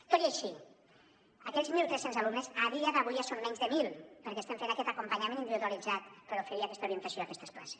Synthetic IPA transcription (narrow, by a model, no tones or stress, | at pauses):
t̪oɾiaʃi | akɛʎzmilˠt̪ɾesenzalumnezaðiaðaβ̞ujasommɛɲzðəmilˠpəɾkeːst̪eɱfenakɛt̪akumpaɲamẽnind̪iβiðualid͡zat̪pəɾufeɾiakɛst̪auɾient̪asjoakɛst̪e̥spla̰se̥s